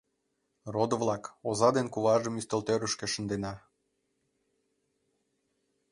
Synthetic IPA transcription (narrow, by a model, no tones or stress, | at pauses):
rod̪əvlɑkozɑd̪enkuβɑʒəmyst̪əlt̪øɾəʃkĕʃə̆nd̪enɑ